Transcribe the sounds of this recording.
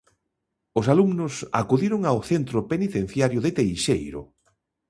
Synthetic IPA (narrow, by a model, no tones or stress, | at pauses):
ʊsalumnʊsa̰kuðiɾʊŋawθent̪ɾʊpenit̪ẽn̟θjaɾjʊðɪt̪ejʃejɾʊ̰